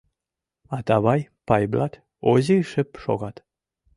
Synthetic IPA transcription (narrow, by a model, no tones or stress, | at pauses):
ɑt̪ɑβɑjpɑjblɑt̪ | oziʃəpʃo̰ɣɑt̪